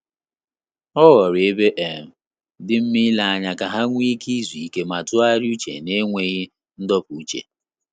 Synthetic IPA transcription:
ɔ˦ɣɔ˨ɾɪ˨e˦be˦ʔe˨m̩˨ | dɪ˦m̩˦mɪ˦la˦˨a˨ɲa˨ka˨ɦa˦ŋʷ˦i˦ki˦zi˨i˨ke˦ma˨tʊ˦a˦ɾu˦t͡ʃḛ˨ne˦ŋʷe˦ɣɪ˦ | n̩˦dɔ˦pu˨u˦t͡ʃḛ˨

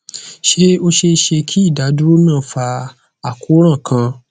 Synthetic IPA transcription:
ʃe˦o˦ʃe˧ʃe˧kʰi˦i˦˨da˨˦du˦o˦mĩ˦ã˦˨fa˧ | a˨ku˨˦ɾ̃ã˦˨kʰã˧

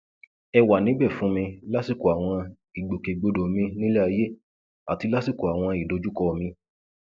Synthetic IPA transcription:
ɛ˧wa˨nĩ˨˦bɛ˦˨fũ˨˦mĩ˧la˦si˦˨ko˨a˨w̃ɔ̃˧ | i˨ɡ͡bo˨ke˨ɡ͡bo˨˦do˨mĩ˧nĩ˦lɛ˦a˧je˦ | a˨ti˧la˦si˦˨ko˨a˨w̃ɔ̃˧i˨do˨˧˦d͡ʒu˦kɔ˧mĩ˧

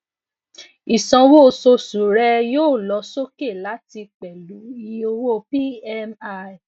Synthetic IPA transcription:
i˨sɔ̃˧wo˦˨so˧su˨˦ɾɛ˦joː˦˨lɔ˨˧˦so˦ke˦˨la˨˦ti˧k͡pɛ˨lu˨˦i˦o˧wo˦˨pi˦ɛ˧ma˦˨

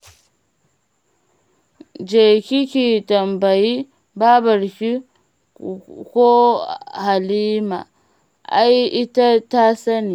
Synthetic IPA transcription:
d͡ʒe˨kʲi˦kʲi˨tɐ˨mba˨ji˦ | ba˦bɐ˨ɾkʲi˦ | ko˦ha˨li˦ma̰˨ | ʔa̰˦ji˦ta˦ta˦sa˦ni˨

